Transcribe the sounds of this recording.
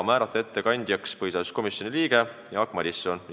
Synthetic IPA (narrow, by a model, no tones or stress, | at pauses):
mæːɾɑt̪ːˑɑe̞t̪ːe̞kɑnʲd̪̥jɑkspɤjsɑsko̞misjo̞nʲiliːɡ̥e̞jɑɑkmɑd̪ʲisːˑon